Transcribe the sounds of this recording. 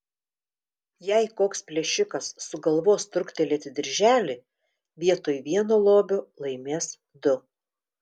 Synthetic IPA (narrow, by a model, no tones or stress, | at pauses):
jɛɪkoːkspʲlʲɛʃʲɪkɐsːʊɡɐlˠʋoːst̪ɾʊkt̪ʲɛlʲeːt̪ʲɪd̪ʲɪɾʲʒʲæːlʲɪ | ʋʲiɛt̪oːjʋʲiɛnoːlˠoːbʲolˠɐɪmʲeːs | d̪ʊ